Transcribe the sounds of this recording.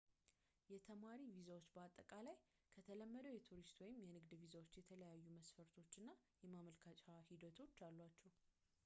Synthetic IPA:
jɛt̪ʰəmaɾivizawot͡ʃːbəat̪ʼːəkʼalaj | kʰət̪ʰələmːəd̪əwjɛt̪ʰuɾist̪wɔjɪmjɛnɨɡd̪vizawo̞t͡ʃːjɛt̪ʰələjajːuməsfəɾt̪ʰo̞t͡ʃːɨnːajɛmaməlkʰat͡ʃʼahid̪ət̪ʰo̞t͡ʃːalːwat͡ʃːɛw

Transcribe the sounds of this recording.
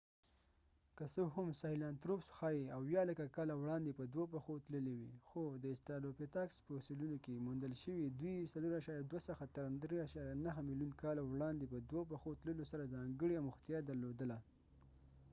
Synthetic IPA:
kəsoɦamsɑhilɑnt̪ɾopsxɑjiawjɑlakakɑlawɽɑnd̪epəd̪wopaxot̪ləlewixod̪əɪst̪ɑlopet̪ɑkspəsulunokemund̪əlʃəwid̪wisaloɾaʃɑɾjad̪wasəxat̪aɾand̪ɾeaʃɑɾjanaɦəmiljunkɑlawɽɑnd̪epəd̪wop̬axot̪ləlosaɾazɑŋɡəɽiawmʊxt̪jɑd̪aɾlod̪əla

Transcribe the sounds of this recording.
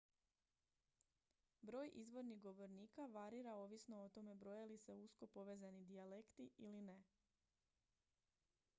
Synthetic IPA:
bɾo̞ːjʔizʋo̞ɾniɣɡo̞ʋo̞ɾniːkaʋaɾiːɾao̞ʋisno̞ot̪o̞me̞bɾo̞jalise̞usko̞poʋe̞ːzanid̪iale̞kt̪iʔiline̞

